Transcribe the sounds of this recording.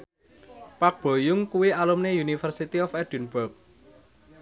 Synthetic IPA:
pak̚b̥o̤jʊŋkuwialumnejunifərsit̪iɔfɛɖ̥ṳnb̥ɔp̚

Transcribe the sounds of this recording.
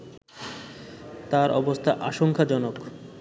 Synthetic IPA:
t̪aɾʔɔbost̪ʰaʔaʃoŋkʰad͡ʑɔnok

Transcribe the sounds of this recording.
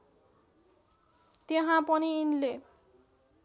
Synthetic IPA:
t̪eɦãpʌniːnle

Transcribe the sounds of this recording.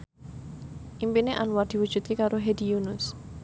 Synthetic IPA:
ʔimpineʔanward̪̥i̤wu̥ʒ̥ṳt̪̚kekaɾoɦed̪̥ijunʊs

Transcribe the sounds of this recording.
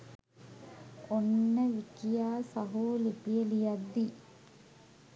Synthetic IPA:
onːəʋikijaːsaɦoːlipijelijad̪ːi

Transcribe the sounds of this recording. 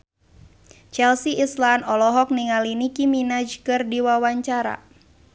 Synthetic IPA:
t͡ʃɛlsiːslanɔlɔɦɔk̚niŋalinikiminad͡ʒkɨrdiwawaɲt͡ʃaɾa̰

